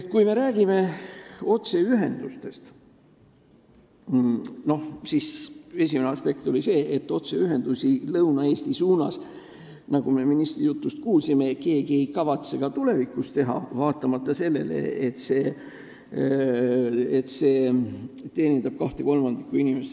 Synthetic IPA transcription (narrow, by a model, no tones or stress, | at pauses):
kujme̞ɾæːɡ̥ime̞o̞t̪se̞yɦe̞nd̪̥ust̪e̞st̪ | no̞hsise̞s̬ʲimeneɑspe̞kt̪o̞lise̞ːʔet̪ːˑo̞t̪seyɦe̞nd̪̥usilɤwnɑe̞ːst̪isuːnɑ̰s | nɑɡ̥ume̞minist̪rijut̪ːˑust̪̚kuːlsimeke̞ːɡie̞jkɑvɑt̪se̞ɡ̥ɑt̪ule̞vikːˑust̪e̞ɦɑ̰vɑːt̪ːˑɑmɑt̪ːˑɑse̞lːe̞̰lḛet̪se̞ː | et̪seː | t̪e̞ːnit̪ːɑb̥̚kɑht̪e̞ko̞lmɑnd̪̥ikːuinimes